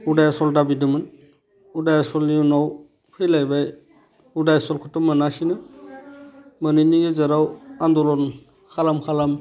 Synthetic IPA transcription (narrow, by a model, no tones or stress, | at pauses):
udajasɔldabidɯmɯn | udajasɔlniunaw | pʰɯjlajbaj | udajasɔlkʰɔtɔmːɯnasinɯ | mɯnɯjniɡezaɾawandɔlɔn | kʰalamkʰalam